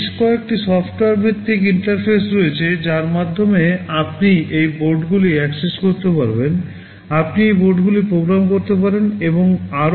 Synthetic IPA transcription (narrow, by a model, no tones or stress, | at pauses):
ʃkɔek̚ʈisɔfʈoaɾbʱit̪ːikiɳʈaɾpʰesɾoet͡ɕʰed͡ʑaɾmad̪ʱːomeapniʔejboɾɖɡuliɛkseskoɾt̪epaɾben | apnieboɾɖɡulipɾoɡɾamkoɾt̪epaɾeneboŋaɾ